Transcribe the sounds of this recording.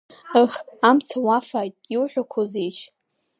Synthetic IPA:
ɨχamt͡sʰawafajtʼiwħᶣʷakʷʰozejʃʰ

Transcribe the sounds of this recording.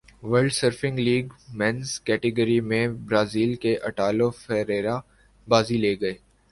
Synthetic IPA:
ʋəɾɖsəɾfɪ̃ŋɡliːɡmɛ̃nskɛːʈɪɡəɾimẽbɾaːziːlkeʔɐʈaːlofɛːɾeːɾa | baːzileːɡɐeː

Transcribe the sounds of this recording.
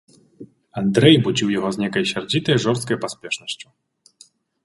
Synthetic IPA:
and̪ɾɛjbud͡zʲiwjaɣɔznʲɛkɐjsʲard͡zʲit̪ɐjʐɔrst̪̚kɐjpasʲpʲɛʂnɐɕʲt͡ɕʲu̥

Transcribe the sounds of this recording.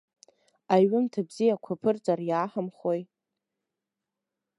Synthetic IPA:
aɥɪmtʰabzijakʷʰapʰɨrt͡sʼarjaːħamχoj

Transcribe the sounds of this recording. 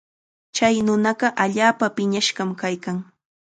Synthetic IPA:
t͡ʃajnʊnɑɢɑʔaʎaːpapɪɲaʃɢɑmkajkaŋ

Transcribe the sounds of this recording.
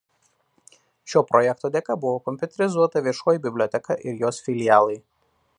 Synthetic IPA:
ʃʲoːpɾɔjɛkt̪oːd̪ʲɛkɐbʊʋoːkɔmʲpʲʊt̪ʲɛɾʲɪzuɔt̪ɐʋʲiɛʃoːjibʲɪbʲlʲoːt̪ʲɛkɑʔɪɾjoːsfʲɪlʲɪjaːlˠɐɪ

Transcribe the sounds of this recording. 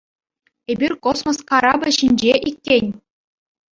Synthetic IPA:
ebʲirʲkosmoskɑɾɑbʲɤ̆ɕinʲd͡ʑeʔikʲːenʲ

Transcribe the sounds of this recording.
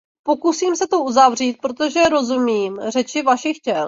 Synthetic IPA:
po̞kusiːmsɛt̪oʔuzavr̝iːt̪̚pɾo̞t̪o̞ʒɛɾo̞zumiːmrɛt͡ʃɪvaʃɪxcɛl

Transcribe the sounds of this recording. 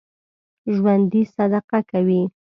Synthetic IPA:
ʒwand̪isad̪aqakawi

